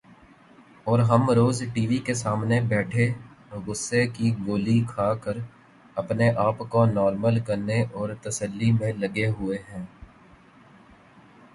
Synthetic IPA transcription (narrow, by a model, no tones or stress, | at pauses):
ɔːɾɦɐmɾoːzʈiːʋikesaːmnebɛːʈʰe | ɣʊsːekiɡoːlikʰaːkəɾ | ɐpneʔaːpkonɔːɾməlkɐɾneʔɔːɾt̪ɐsəlːimẽlɐɡeɦʊeɦɛ̃ː